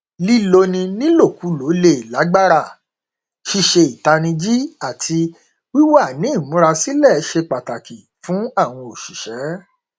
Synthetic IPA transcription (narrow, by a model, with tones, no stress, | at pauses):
li˦lo˧nĩ˧nĩ˦lo˦˨ku˨˦lo˨˦le˧˨i˨la˨˦ɡ͡ba˦ɾa˦˨ | ʃi˧˨ʃe˧i˨ta˧nĩ˧d͡ʒi˦a˦˨tʰi˧ | wi˦wa˦˨nĩ˨˦˨mũ˨˦ɾa˧si˦lɛ˦˨˦ʃe˧k͡pa˨ta˨ki˨ | fũ˨˦a˦˨w̃ɔ̃˧o˨ʃi˨ʃɛ˨˦